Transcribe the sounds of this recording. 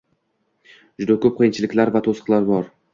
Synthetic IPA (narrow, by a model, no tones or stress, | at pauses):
d͡ʒʊd̪akʰʲɵp̚qʰɨjɪnt͡ʃʰɪlɪkʲlaɾvat̪ʰosqlˠaɾbɒɾ